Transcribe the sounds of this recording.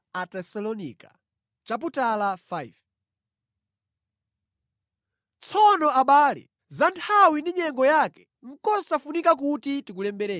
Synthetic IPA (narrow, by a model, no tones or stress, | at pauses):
atɛsalɔnḭːka | t͡ʃap̬utalafajv | t͡sʰɔnɔaɓaːlɛ̰ | zantʰawindiɲɛŋɡɔjakɛ̥ | ŋ̩kɔsafunikak̬utitik̬ulɛmbɛɾɛ